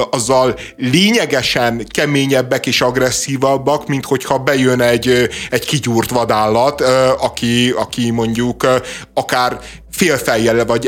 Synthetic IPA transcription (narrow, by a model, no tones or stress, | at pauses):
ɒzːɒl | leːɲɛɡɛʃɛnkɛmeːɲɛbːɛkeːʃɒɡrɛsːiːvɒbːɒkmint̪ho̞chɒbɛjønɛɟɛɟkiɟuːrt̪ʋɒd̪aːlːɒt̪ɒkiɒkimo̞ɲɟukɒkaːr | feːlfɛjːɛlɛvɒɟ